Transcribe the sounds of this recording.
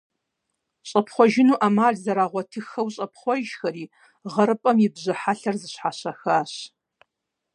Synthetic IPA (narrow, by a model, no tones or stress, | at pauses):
ɕʼɐpʰχʷɔʒɪnuːʔamaːɮzɐɾaːʁʷɔtʰɨxɐwɕʼɐp̚ʰχʷɔʒxɐriː | ʁɐɾɨpʼɐmjɪbʑɨħaɬɐrzɨɕħaɕɐxaːɕ